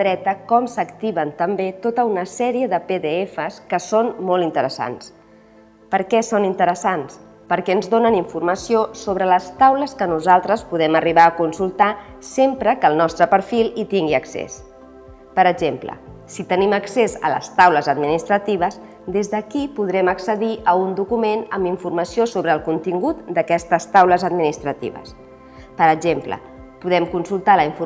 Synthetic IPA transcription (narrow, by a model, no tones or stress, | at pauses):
ɾɛt̪əkɔmsəkt̪iβənt̪əmbet̪ot̪əunəsɛɾiəðəpeðeefəskəsonmolˠint̪əɾəsa̰ns | pəɾkɛsonint̪əɾəsans | pəɾkɛənzðonəniɱfurməsiosoβɾələst̪awləskənuzalˠt̪ɾəspuðɛməriβaːkunsulˠt̪a | sempɾəkəlˠnɔst̪ɾəpəɾfilˠit̪iŋɡiəksḛs | pəɾəɡʒemplə̰ | sit̪əniməksezə̰lə̰st̪awləzəd̪minist̪ɾət̪iβ̞əs | d̪ezðəkipuð̞ɾɛməksəðiʔəund̪ukumenəmiɱfurməsiosoβɾəːlˠkunt̪iŋɡut̪d̪əkɛst̪əst̪awləzəd̪minist̪ɾət̪ḭβ̞ə̰s | pəɾəʒemplə̰ | puðɛmkunsulˠt̪aləiɱfu